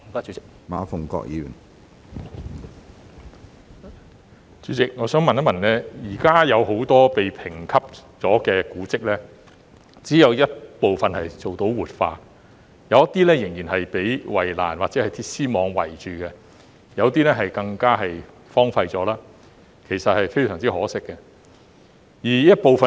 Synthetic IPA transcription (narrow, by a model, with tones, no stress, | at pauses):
ɪ˨k | ma̰ː˨˥fʊ˨˩ŋkɔ̰ː˧k̚jiː˨˧ɥy̰˨˩n | t͡ʃyː˨˥t͡sɪ˨k̚ŋɔː˨˧sœː˨˥ŋmɐ˨njɐ˥mɐ˨˩nɛː˥jiː˨˩kaː˥jɐ˨˧wɦo˨˥wt̪ɔː˥pe˨jpʰɪ˨˩ŋkʰɐ˥p̚t͡sɔː˨˥kɛː˧kuː˨˥t͡sɪ˥k̚lɛː˥ | t͡siː˨˥jɐ˨˧wjɐ˥t̚po˨wfɐ˨nhɐ˨jt͡so˨wt̪o˨˥wwuː˨t̚fa̰ː˧ | jɐ˨wjɐ˥t̪iː˥lɛː˥jɪ˨˩ŋjiː˨˩nɦɐ˨jpe˨˥jwɐ˨˩jla̰ː˨˩nwaː˨t̚t͡sɛː˨˥hɐ˨jt̪ʰi˧˥siː˥mɔː˨˧˥ŋwɐ̰˨˩jt͡ʃyː˨kɛ˧ | jɐ˨˧wt̪iː˥lɛː˥ɦɐ˨jkɐ˧ŋkaː˥ɦɐ˨j | fɔː˥ŋfɐ˧jt͡sɔː˨˥laː˥ | kʰe˨˩jsɐ˨t̚hɐ˨jfe˥jsœː˨˩ŋt͡siː˥hɔː˨˥sɪ˥kːɛ˧ | jiː˨˩jɐ˥t̚po˨˧wfɐ˨